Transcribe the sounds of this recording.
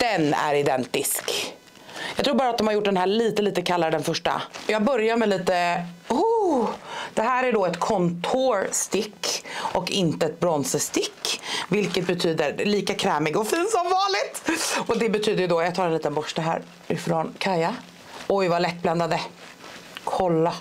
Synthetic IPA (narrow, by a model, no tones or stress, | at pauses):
d̪̥ɛnæ̰ɾɪd̪ɛnt̪ɪsk | jɑɡt̪ɾuːbɑːɾat̪d̪ɔmhaɾjʊʈ̚ːɖ̪ɛnɦæːɭiːt̪əliːt̪əkʰalːaɾd̪ɛnfœʂʈa̰jɑːɡ̚bœɾjaɾmɛliːt̪əu | d̪̥ɛɦæːɾæɖɔɛt̪kʰɔnt̪ʰoɾst̪ɪkːʔɔkɪnt̪əɛt̪̚bɾɔnsəst̪ɪkːvɪlkət̪̚bɛt̪ʰyːd̪əɾliːkakʰɾɛːmɪɡɔfiːnsɔmvɑːnlɪt̪ɔd̪ɛbɛt̪ʰyːd̪əjɵd̪ɔjaɡt̪ʰɑːɾɛnliːt̪ənbɔʂʈaɦæ̰ːɾ | ɪfɾɔnkʰaja | ɔjvalɛt̪̚ːbland̪ad̪ə | kʰɔlːa